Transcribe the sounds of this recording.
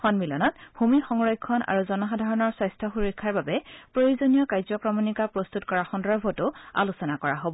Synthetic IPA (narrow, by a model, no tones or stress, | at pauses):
xɔnmilɔnɔtbʱumixɔŋɹɔjkʰːɔna̰ɹuzɔnɔxadʱaɹɔnɔɹsɔjstʰɔxuɹikʰːaɹbabɛpɹojozonijɔkajzɔkɹɔmɔnikapɹɔst̪utkɔɹaxɔndɔbʱɔtʊa̰lusɔnakɔɹaɦobɔ